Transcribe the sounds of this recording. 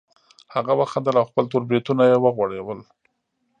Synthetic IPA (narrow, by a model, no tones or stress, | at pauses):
haɣawəxand̪əlawxpəlt̪oɾbɾit̪unajewəɣwaɽewəl